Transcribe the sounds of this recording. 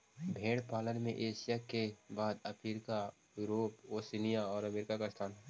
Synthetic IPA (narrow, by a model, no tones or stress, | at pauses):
bʱeːɽpaːlənmḛ̃ʔeːʃɪjakebaːd̪ɐpiɾɪka | juːɾoːpoːsinijaɔːɾɐmeːɾɪkakast̪ʰaːnɦɛ